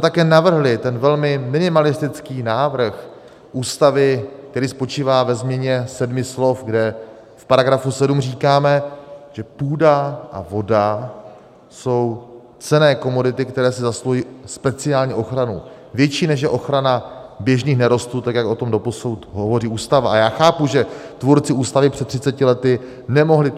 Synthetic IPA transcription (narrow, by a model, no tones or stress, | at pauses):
ssmɛt̪akɛːnavr̩ɦlɪt̪ɛnvɛlmɪmɪnɪmalɪst̪ɪt͡skiːnaːvr̩x | ʔuːst̪avɪk̚t̪ɛɾiːspo̞t͡ʃiːvaːvɛzmɲɛɲɛsɛdmɪslo̞fɡdɛ | fpaɾaɡɾafusɛdumr̝iːkaːmɛʒ̥ɛpuːdaʔa̰vo̞da | so̞w | t͡sɛnɛːko̞mo̞dɪt̪ɪkt̪ɛɾɛːsɪzasloiːspɛt͡sɪaːlɲɛʔo̞xɾanṵ | vjɛt͡ʃiːnɛʃ̬jɛʔo̞xɾanabjɛʒniːxnɛɾo̞st̪uːt̪akjakʔo̞t̪o̞mdo̞po̞suwt̪ɦovo̞riːʔuːst̪avaajaːxaːpuʒɛt̪vuɾt͡sɪʔuːst̪avɪpr̝̥ɛt̪ːr̥ɪt͡sɛcɪlɛt̪ɪ | nɛmo̞ɦlɪ